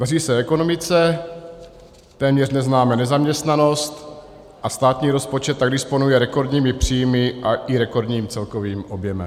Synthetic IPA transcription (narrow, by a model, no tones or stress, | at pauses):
d̪ariːsɛɛko̞no̞mɪt͡sɛ | t̪ɛːmɲɛr̝nɛznaːmɛnɛzamɲɛst̪nano̞st̪ | ʔast̪aːt̪ɲiːɾo̞spo̞t͡ʃɛt̪̚ːaɡdɪspo̞nujɛɾɛko̞ɾd̪ɲiːmɪpr̝̥ijmɪʔaʔɪɾɛko̞ɾdɲiːmt͡sɛlko̞viːmʔo̞bjɛmɛ̰m